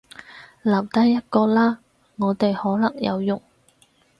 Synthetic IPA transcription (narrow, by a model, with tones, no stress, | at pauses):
lɐ˨˩wt̪ɐ˥jːɐ˥t̚kɔː˧laː˥ | ŋɔː˨˧t̪e˨jhɔː˨˥lɐ˨˩ŋjɐ̰˨˧wjʊ˨˩ŋ